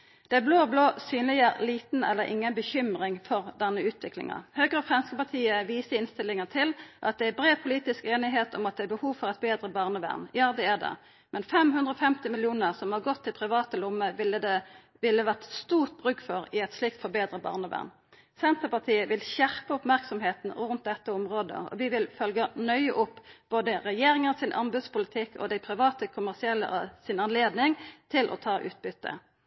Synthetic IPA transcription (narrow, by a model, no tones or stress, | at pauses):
d̪̥ɛbloːbloːsyːnlɪəliːt̪n̩ɛ̰lːəɾʔɪ̰ŋːənbəçʏmʁɪŋfɔʁd̪ɛnːəʉːt̪ʋɪklɪ̰ŋɑ̰høːɡʁəfʁɑnskəpɑʁt̪ʰiːəʋiːsəɪnst̪ɪlːɪŋət̪ʰɪlʔɑt̪̚d̪ɛæbɾeːʋpʰʊliːt̪ɪskeːnɪɦeːt̪ʰɔmɑt̪̚d̪ɛæbəhuːʋfɔʁɛt̪̚beːd̪ʁəbɑːʁnəʋæ̰ʁnjɑːd̪ɛæd̪ɛ̰ | mʔɛnfɛmɦʉnd̪ʁəɔfɛmt̪ɪmɪljuːnəʁsɔmhɑʁɡɔt̪ʰːɪlpʰʁɪʋɑːt̪əlʊmːəəd̪ | ʋɪlːəʋæʁt̪st̪uːʁt̪̚bʁʉkːfɔɾɪɛt̪slɪk̚t̪fɔɾbeːd̪ɾəbɑ̰ːʁnəʋæ̰ʁn | sɛnt̪əpɑʁt̪ʰiːəʋɪlɕæʁpəɔpmæʁksɔmheːt̪n̩ɾʉnt̪̚d̪ɛt̪ːəɔmʁoːd̪ə̰ɔ̰ʋɪʋɪlfœlɡənœʏəʔʊpːb̥oːd̪əʁɛjeːɾɪŋənsɪnʔɑ̰nbʉd̪spʊlɪt̪ʰɪkːɔ̰d̪æɪpʰɾɪʋɑːt̪əkʰʊmæʁsɪɛlːə̰ʔsɪnɑnleːd̪nɪŋt̪ʰɪlʔɔ̰t̪ʰɑːʔʉ̰ːt̪̚bʏt̪ːə̰